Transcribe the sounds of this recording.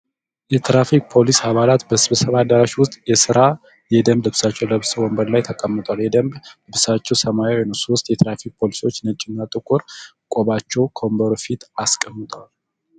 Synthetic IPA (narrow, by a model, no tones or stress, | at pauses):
jɛt̪ʰɾafik̚ʼpʰo̞lishaβalat̪bəsβsəβad̪əɾaʃiwʊst̪ʼjɛsɨɾa | jɛd̪əmblɨβsat͡ʃːɛwləβswɔmbəɾlajt̪ʰəkʼəmːət̪ʼwaljɛd̪əmblɨβsat͡ʃːɛwsəmajawojnəwsoʊst̪ʼjɛt̪ʰɾafik̚pʰo̞lisiwo̞t͡ʃːnət͡ʃʼːɪnːat̪ʼɨkʼʊɾ | kʼoβat͡ʃːɛwkʰəowmbəɾofit̪askʼəmːɨt̪ʰʼwal